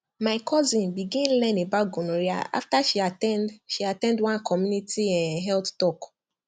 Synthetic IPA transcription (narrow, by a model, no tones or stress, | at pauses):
maɪkʰɔzĩnbiɡĩnlɛ̃nebaɡõnoɹia̰a̰ftaʃiatɛ̃ndʃiatɛ̃ndwãnkʰɔmjunitiɛ̃nɦɛlttɔk